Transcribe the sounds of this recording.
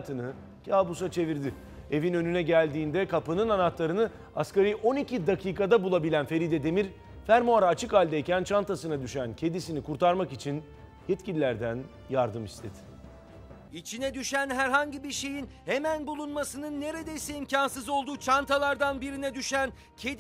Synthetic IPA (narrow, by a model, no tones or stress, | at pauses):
t̪ʰɯnɯ | cʰaːbusat͡ʃʰe̞viɾd̪ɪ | e̞vinø̞nynɛɟælʲd̪iːnd̪ɛkʰapɯnɯnanat̪lˠaɾɯnɯ | askaɾiʔo̞nicʰid̪akʰiːkad̪abulˠabilʲænfe̞ɾid̪ɛd̪e̞miɾ | fæɾmoaɾaːt͡ʃʰɯkalʲd̪aicʰænt͡ʃʰant̪ʰasɯnad̪yʃæncʰe̞d̪isinikʰuɾt̪ʰaɾmakit͡ʃʰin | jɛt̪cilʲilʲæɾd̪æn | jaɾd̪ɯmist̪ʰed̪ɪ̥ | it͡ʃʰinɛd̪yʃænɦæɾɦaɲɟibiɾʃe̞jinhemænbulˠunmasɯnɯnːe̞ɾe̞d̪ejisɛimcʰansɯzo̞lˠd̪uːt͡ʃʰant̪ʰalˠaɾd̪anbiɾinɛd̪yʃæn | cʰed̪